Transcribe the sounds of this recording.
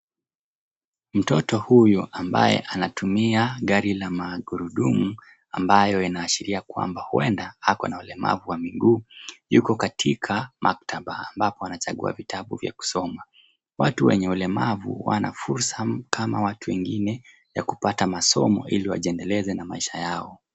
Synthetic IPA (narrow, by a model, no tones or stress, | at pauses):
m̩tɔtɔhujuʔamba̰jɛ̰ʔanatumiaɠaɾilamaɠuɾuɗumu | ambajɔinaːʃiɾiakwa̰mbahuɛndahakɔnaulɛma̰vuwamiɡuːjukɔkatʰikʰamʔak̚taɓaːmbapɔwanat͡ʃaɠṵa̰vitʰaɓṵvja̰ku̥sɔma | watuwɛ̰ɲɛulɛmavṵwa̰na̰fuɾsakʰamawatuwɛŋɡinɛ | jakupatamasɔ̰mɔ̰iliwa̰ʄiɛndɛlɛzɛnamaiʃajaɔ